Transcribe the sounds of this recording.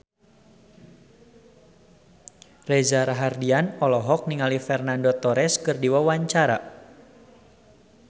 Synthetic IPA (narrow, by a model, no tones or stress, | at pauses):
rɛzaɾaɦardianɔlɔɦɔk̚niŋalifɛrnandot̪ɔɾɛskɨrdiwawaɲt͡ʃaɾa̰